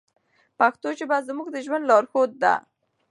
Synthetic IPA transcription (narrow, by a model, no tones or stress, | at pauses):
paxt̪ot͡ʃebazmuɡd̪əʒwand̪lɑɾxod̪̚ːa̰